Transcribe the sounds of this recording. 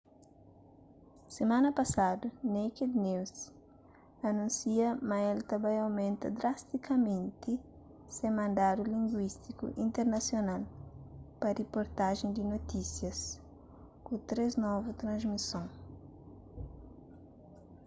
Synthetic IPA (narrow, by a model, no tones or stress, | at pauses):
semãnɐpɐsad̪uneked̪niws | ɐnũnsiɐmɐelt̪ɐbãjawmẽnt̪ɐ̰d̪ɾast̪ikʰɐmẽnt̪i | semɐ̃nd̪ad̪ulĩŋɡwist̪ikṵʔĩnt̪eɾnɐsjonal | pɐrepoɾt̪aʒẽnd̪inot̪isjɐs | kut̪ɾeznɔvut̪ɾɐ̃nzmisõŋ